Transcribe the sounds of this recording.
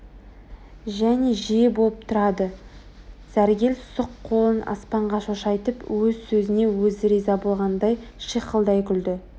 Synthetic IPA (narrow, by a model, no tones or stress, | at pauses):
ʒæne̞ʒijebolˠəp̚t̪ʰʊɾɑd̪ə | sæɾɡʲe̞lsʊqʰːo̞lˠənʔɑ̰spɑɴʁɑʃoʃɑjt̪əpwɵzsɵzɪne̞wɵzɾijzɑbo̞lˠʁɑnd̪ɑjʃiqʰəlˠd̪ɑjkʲʰʏld̪ɪ